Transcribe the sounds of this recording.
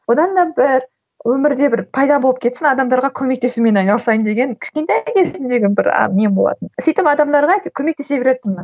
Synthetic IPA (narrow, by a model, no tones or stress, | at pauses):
wod̪ɑnd̪ɑbɪɾ | wɵmɪɾd̪e̞bɪɾpʰɑjd̪ɑbo̞lˠəp̚kʲʰe̞t̪sɪnɑd̪ɑmd̪ɑɾʁɑkʲʰɵme̞k̚t̪ʰe̞sumʲe̞nɑjnɑlˠsɑjənd̪e̞ɡʲe̞ŋkʲʰʏ̥ʃʲkʲe̞nt̪ækʲʰe̞zɪnd̪e̞ɡʲenbɪɾɑ̰membolˠɑ̰t̪ənsijt̪ɪpɑd̪ɑmd̪ɑɾʁɑjt̪ɪkʲʰɵme̞k̚t̪ʰe̞se̞bʲeɾet̪ːəmmɪn